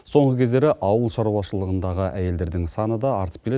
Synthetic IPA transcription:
so̞ɴʁəkʲʰe̞zd̪e̞ɾeʔɑwəlˠʃɑɾuwɑʃəlˠəʁənd̪ɑʁəʔæje̞ld̪e̞ɾd̪ɪŋsɑnəd̪ɑːɾt̪əp̚kʲele

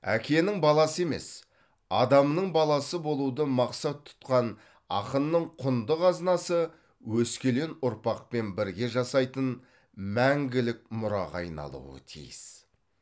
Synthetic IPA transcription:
æ̰kʲʰe̞nɪŋbɑlˠɑsəe̞me̞s | ɑd̪ɑmnəɴbɑlˠɑsəbo̞lˠud̪əmɑqsɑt̪ʰːʊ̥t̪qɑn | ɑ̰qənːəɴqʰʊnd̪əqɑznɑsə | wɵskʲe̞le̞nʊɾpɑq̚pe̞nbɪɾɡʲe̞ʒɑsɑjt̪ən | mæŋɡʲɪlɪk̚mʊɾɑ̰ʁɑ̰jnɑ̰lˠṵwə̰t̪ʰḭjɪ̰s

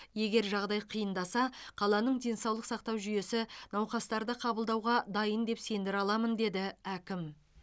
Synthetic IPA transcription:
je̞ɡʲe̞ɾʒɑʁd̪ɑjqʰijənd̪ɑsɑqʰɑlˠɑnəɴd̪ʲe̞nsɑwlˠəqsɑq̚t̪ɑwʒʏje̞sɪnɑwqɑst̪ɑɾd̪əqʰɑbəlˠd̪ɑwʁɑd̪ɑjənd̪e̞pse̞nd̪ɪɾɑlˠɑmənd̪e̞d̪ɪækʲɪm

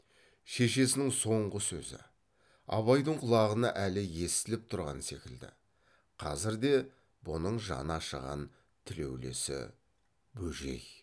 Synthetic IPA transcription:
ʃe̞ʃe̞sɪnɪŋso̞ɴʁəsɵzɪ̰ | ɑ̰βɑjd̪əɴqʰʊlˠɑʁənɑʔælɪje̞st̪ɪlɪp̚t̪ʰʊɾʁɑ̰nse̞kʲɪld̪ɪ̰ | qʰɑzɪɾd̪e̞ | bʊnəɴʒɑ̰nɑʃə̰ʁɑ̰n | t̪ʰɪle̞̰wle̞̰sɪ̰ | bɵʒe̞̰j

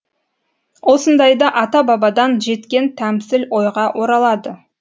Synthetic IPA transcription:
wo̞sənd̪ɑjd̪ɑʔɑt̪ɑbɑbɑd̪ɑnʒe̞t̪kʲe̞nt̪ʰæmsɪlwo̞jʁɑwʔo̞ɾɑlˠɑd̪ə

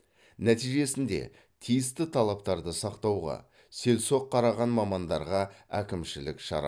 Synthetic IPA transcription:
næt̪ijʒe̞sɪnd̪e̞̰ | t̪ʰijɪst̪ɪt̪ʰɑlˠɑp̚t̪ɑɾd̪əsɑqt̪ɑwʁɑ̰ | se̞lso̞qʰːɑɾɑʁɑnmɑmɑnd̪ɑɾʁɑækʲɪmʃɪlɪkʃɑ̰ɾɑ̰

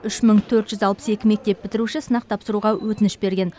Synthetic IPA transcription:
ʏʃməɴt̪ʰɵɾt̪ʒ̥ʏzɑlˠpə̥se̞kʲɪme̞k̚t̪e̞p̚bɪt̪ɪɾuʃɪsənɑqt̪ʰɑpsəɾuʁɑwʔɵt̪ɪnɪʃbe̞ɾɡʲe̞n

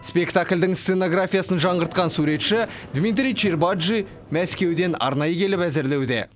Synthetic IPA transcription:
spʲe̞kt̪aklʲd̪ɪŋse̞noɡrafʲijasənʒɑɴəɾt̪̚qɑnsuɾe̞t̪ʃɪ | d̪mit̪̬ɾʲijt͡ʃirbad̪ʒi | mæskʲe̞wd̪e̞nɑ̰ɾnɑjəkʲʰe̞lɪpæzɪɾle̞wd̪ḛ

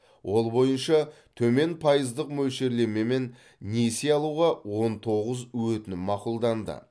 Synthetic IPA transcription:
wʔo̞lˠbo̞jənʃɑ | t̪ʰɵme̞npʰɑjəzd̪əqmɵlʃe̞ɾle̞me̞me̞nː | e̞se̞ɑlˠuʁɑwo̞nt̪ʰo̞ʁəzwɵt̪ɪnɪmɑqulˠd̪ɑnd̪ə̰

